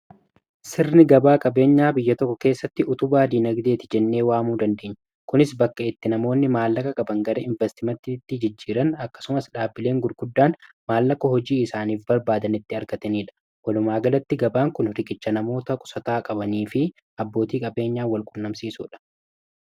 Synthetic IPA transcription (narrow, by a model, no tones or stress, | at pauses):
sɪɾnɪɡɐbaːkʼɐbe̞ːɲːaːbɪjːɐt̪ɔkːɔke̞ːsːɐt̪ːɪʊt̪ʊbaːd̪iːnɐɡd̪e̞ːt̪ɪd͡ʒɛnːe̞ːwaːmuːd̪ɐnd̪eːɲːɐ | kʊnɪsbɐkːɐɪt̪ːɪnɐmo̞ːnːɪmaːlːɐkɐkʼɐbɐŋɡɐɾeːɪɱvɛst̪ɪmɐt̪ːit̪ːɪd͡ʒɪd͡ʒːiːɾɐnɐkːɐ̥sʊmɐsᶑaːbːɪle̞ːŋɡʊɾɡʊd̪ːaːn | maːlːɐkːɐhɔd͡ʒiːɪsaːniːfbɐɾbaːd̪ɐnɪt̪ːɪɐɾkɐt̪ɐniːᶑɐ̥ | wɐlʊmaːɡɐlɐt̪ːɪɡɐbaːŋkʊnɾɪkʼɪt͡ʃːɐnɐmo̞ːt̪ɐkʼʊ̥sɐt̪aːkʼɐbɐniːfɪ | ɐbːo̞ːt̪iːkʼɐbe̞ːɲːaːwɐlkʼʊnːɐmsiːsṵːᶑɐ̥